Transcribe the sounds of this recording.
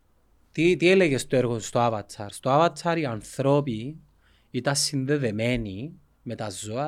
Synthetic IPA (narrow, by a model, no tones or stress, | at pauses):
t̪it̪ieleɣest̪oeɾɣonst̪oavɐt͡sʰɐ̰ɾst̪oavɐt͡sʰaɾianθɾop̬i | it̪ɐsːinðeðemeni | met̪ɐzoɐ